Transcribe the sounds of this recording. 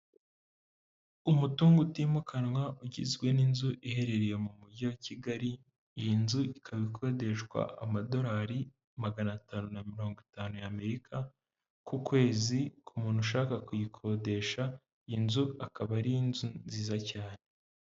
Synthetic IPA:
umutuːŋɡutiːmukanŋwauɟizɡwe̞ninzuʔihe̞ɾe̞ɾeje̞mumuɟawaciɡaɾi | jinzuikʰaβikʰo̞de̞ʃkwa̰ʔa̰mado̞ɾaːɾi | maɡanataːnunamiɾo̞ːŋɡitaːnujame̞ɾikʰa | kukwe̞ːzikʰumuːn̥uʃaːkakujikʰo̞de̞ʃa | inzuakaβaɾijinzunziːzacaːne

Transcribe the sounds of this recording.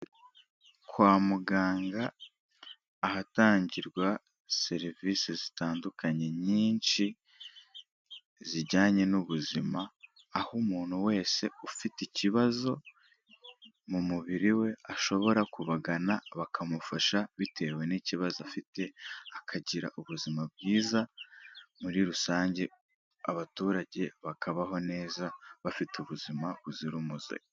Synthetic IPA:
kʰwaːmuɡaːŋɡa | hataːɲɟiɾɡwa | se̞ɾiviːsezitaːndukaɲe̞ɲiːnʃi | ziɾɟaːɲe̞nuβuzimaː | humuːn̥huwe̞ːse̞ufiticiβazo̞ | mumuβiɾiwe̞aʃo̞βo̞ɾakuβaɡanaβakʰamufaʃaβitʰe̞we̞niciβazoafite̞akʰaɟiɾa̰ʔuβuzimabɡiːza | muɾiɾusaːɲɟe̞ | aβatuːɾaɟe̞βakaβaɦo̞ne̞ːzaβafituβuzimaβuziɾumuzḛj

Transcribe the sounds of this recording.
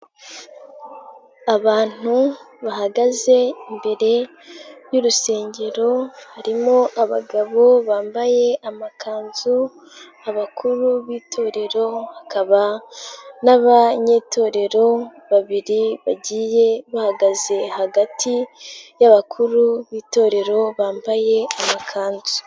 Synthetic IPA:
aβaːn̥uβaɦaɡaze̞imbe̞ɾe̞ | ɾjuɾuse̞ːɲɟe̞ɾo̞haɾimo̞ʔaβa̰ɡaβo̞βaːmbaje̞ʔamakʰaːnzu | aβakʰuɾuβiːtʰo̞ːɾe̞ɾo̞hakʰaβa | naβaɲe̞to̞ːɾe̞ɾo̞βaβiɾiβaɟiːje̞βahaɡaze̞haɡatʰijaβakʰuɾuβiːto̞ɾe̞ɾo̞βaːmbaje̞amakʰaːnzu

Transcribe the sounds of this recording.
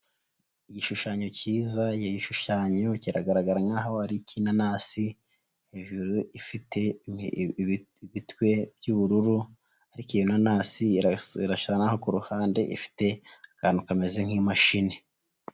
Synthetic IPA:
ijiʃuʃaːɲo̞ciːzajeɟiʃuʃaːɲo̞ciɾaɡaɾaɡaɾaŋaːɦaaɾikinanaːsi | eʒuɾuʔifite̞ | iβitkwe̞bjuβuɾuɾu | aɾikijonanaːsiḭɾaʃaanaho̞kuɾuhaːnde̞ʔḭfi̥te̞akaːnukamezeŋ̥hiːmaʃine̞

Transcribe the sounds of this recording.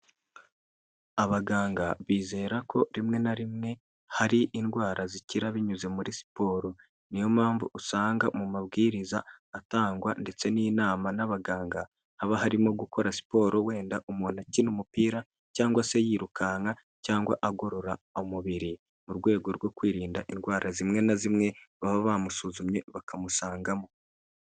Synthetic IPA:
aβaɡaːŋɡaβiːze̞ːɾakʰo̞ɾimŋe̞naɾimŋe̞ | haɾiʔːndɡwaːɾaziciɾaβiɲuze̞muɾisi̥po̞ːɾo̞ | nijo̞maːɱvuusaːŋɡamumaβɡiːɾizaːtaːŋɡwande̞t͡se̞niːnaːmanaβaɡaːŋɡa | haβahaɾimoɡuko̞ɾasi̥po̞ːɾo̞we̞ːndaʔumuːnacinumupiːɾa | caːŋɡwasejiːɾukaŋa | caːŋɡwa̰ʔaɡo̞ɾo̞ɾaomuβiɾi | muɾɡwe̞ːɡo̞ɾɡwo̞kwiːɾiːndaʔinɡwaːɾazimŋe̞nazimŋe̞βaβaβamusuzumɲe̞βakamusaːŋɡamo

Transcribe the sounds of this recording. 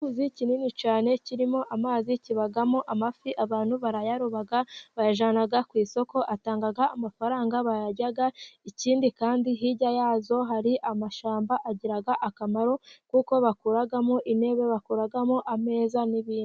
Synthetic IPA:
kuzicininit͡ʃaːne̞ciɾimo̞ʔamaːziciβaɡamoʔamafiʔaβaːn̥huβaɾajaɾuβaɡaβajaʒaːnaɡakwiːso̞ko̞ʔataːŋɡaɡaamafaɾaːŋɡaβajaɟaɡaiciːndikaːndiɦiɟajaːzo̞ɦaɾiʔamaʃaːmbaʔaɟiɾaɡaʔakamaɾo̞kuko̞βakuɾaɡamoʔine̞βe̞βakuɾaɡamoʔame̞ːzaniβiːn

